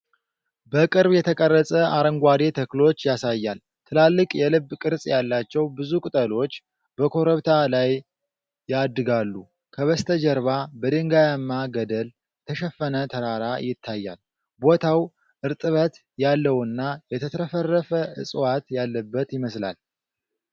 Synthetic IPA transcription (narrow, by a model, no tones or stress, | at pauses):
bəkʼɨɾbjɛt̪ʰəkʼərːəsʼəʔaɾəŋɡʷad̪et̪ʰəklo̞t͡ʃːjasajːal | t̪ʰɨlalːɨkʼjɛlɨbːkʼɨɾsʼjalːat͡ʃːɛwbɨzukʼɨt̪ʼəlo̞t͡ʃː | bəkʰo̞ɾəβt̪ʰalajː | ad̪ːɨɡalːu | kʰəβəst̪ʰəd͡ʒəɾβabəd̪ɨŋɡajamːaɡəd̪əl | t̪ʰəʃɛfːənət̪ʰəɾaɾajɪt̪ʰːajːa̰l | bo̞t̪ʰaw | ʔɨɾt̪ʼɨβət̪ | jalːəwɨnːajɛt̪ʰət̪ʰɾəfərːəfəɨ̰sʼwat̪jalːəbːət̪jɪməsla̰l